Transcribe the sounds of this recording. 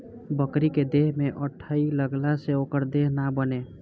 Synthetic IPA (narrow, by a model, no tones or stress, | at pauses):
bəkɾiked̪eɦmeʔəʈʰəiləɡlaseokəɾd̪eɦnabəne